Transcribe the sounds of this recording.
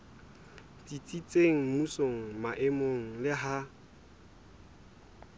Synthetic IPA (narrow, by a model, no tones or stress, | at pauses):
t͡sit͡sʼit͡sʼeŋ̩musoŋ̩maʔɪmoŋ̩lɪɦa